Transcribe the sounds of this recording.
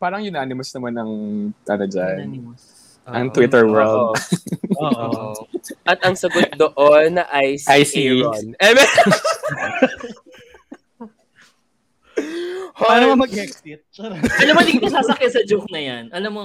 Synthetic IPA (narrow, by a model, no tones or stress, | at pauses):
paːɾɐŋjʊnaːnɪmɐsnɐmanɐŋʔɐnod͡ʒan | ʔɐŋt̪wɪt̪ɛɹwɛld̪ | ʔɐt̪̚ɐŋsɐɡod̪oʔonːɐʔɐjsajsionɛmɛ | hanoɐmɐɛksɪt̪̚ɐnomolit̪osaːsɐkɐsɐd͡ʒuk̚nɐjanʔɐnomo